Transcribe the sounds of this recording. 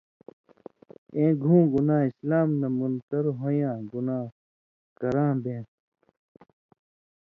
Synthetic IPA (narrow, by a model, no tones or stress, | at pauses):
ẽːɡʱũːɡunaːislaːmnɐmunt̪ɐɾɦojãːɡunaː | kɐɾãːbẽː